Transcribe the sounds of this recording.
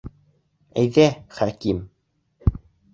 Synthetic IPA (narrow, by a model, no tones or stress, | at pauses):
æjðæχæɾkim